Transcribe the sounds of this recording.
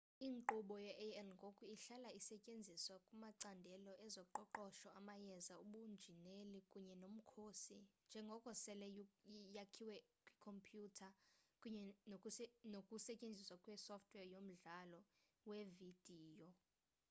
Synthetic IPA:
iːŋǃuɓɔjɛʔɛlŋɡʱokʼuiɬalaisɛcʼend͡zʱiswakʼumaǀandʱɛlɔʔɛzɔǃɔǃɔʃɔamajɛzauɓund͡ʒʱinelikʼuɲɛnom̩kʰosind͡ʒʱɛŋɡʱɔkʼɔsɛlɛjjakʰiwɛkʼwikʰɔmpʰjutʰakʼuɲɛnʼnokʼusɛcʼend͡zʱiswakʼwɛsɔftʰʼwɛjom̩ɮalɔ | wevid̥ʱiːjɔ

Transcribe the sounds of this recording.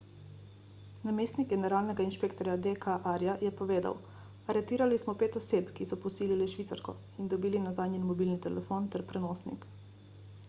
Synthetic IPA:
nameːst̪nik̚ɡɛnɛɾaːlnɛɡainʃpeːkt̪ɔɾjad̪ekʰaʔaɾjajɛpɔʋeːd̪a̰w | aɾɛt̪iːɾalismɔpeːt̪ɔseːpkisɔpɔsiːliliʃʋit̪sa̰ɾkɔ̰ | ind̪ɔbiːlinazaːd̪nʲjɛnmɔbiːlnit̪ɛlɛfoːnt̪ɛɾpɾɛnoːsnḭk

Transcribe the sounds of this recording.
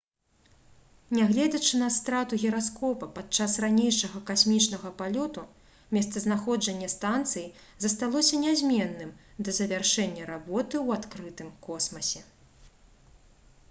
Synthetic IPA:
nʲaɣlʲɛd͡z̪ʲɐt͡ʂɨnɐst̪ɾat̪uɣʲɛɾaskɔpɐpat̪̚t͡ʂasranʲejʂɐɣɐkasʲmʲit͡ʂnɐɣɐpalʲɔt̪u | mʲɛst̪sɐznaxɔd͡ʐɐnʲːɐst̪ant̪sɨji | zɐst̪alˠɔsʲɐnʲazʲmʲɛnːɨmd̪ɐzɐvʲarʂɛnʲːɐɾabɔt̪ɨwat̪kɾɨt̪ɨmkɔsmɐsʲɛ

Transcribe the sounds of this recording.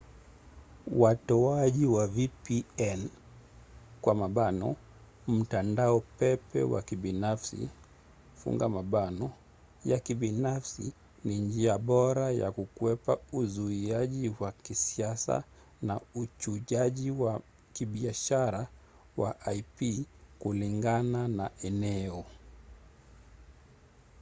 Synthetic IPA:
watɔaʄiwavipiɛn | kwamaɓanɔ̰ | m̩tandaɔpɛpɛ̰wa̰kiɓinafsḭ | fṵŋɡamaɓanɔ | jakiɓinafsḭ | nind͡ʒiaɓɔɾaja̰kukuwɛpauzuiaʄiwakisiasa̰ | naut͡ʃuʄaʄiwa | kiɓiaʃaɾa | waʔajpikuliŋɡananaɛnɛɔ

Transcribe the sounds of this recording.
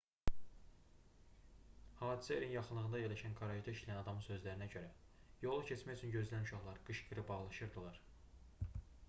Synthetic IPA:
hɑːd̪isæeɾinjɑχɯnlˠɯɣɯnd̪ɑje̞ɾlæʃænkʰɑɾɑid̪ɑiʃlæjænɑd̪ɑmɯnsø̞zlæɾinæɟø̞ɾæ | jo̞lˠucʰet͡ʃmæjyt͡ʃʰynɟø̞zlænuʃɑχlˠɑɾɡɯʃɡɯɾɯbɑʁlˠɑʃɯɾd̪ɯlˠɑɾ

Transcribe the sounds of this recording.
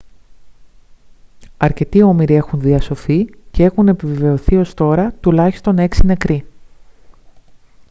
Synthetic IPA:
ɐɾce̞t̪io̞miɾie̞xunðiɐso̞θice̞e̞xune̞pive̞ve̞o̞θio̞st̪o̞ɾɐt̪ulɐçi̥st̪o̞ne̞ksine̞kɾi

